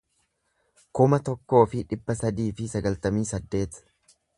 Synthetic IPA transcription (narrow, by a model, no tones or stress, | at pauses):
kʊmɐt̪ɔkːo̞ːfɪᶑɪbːɐsɐd̪iːfɪsɐɡɐlt̪ɐmiːsɐd̪ːe̞ːt̪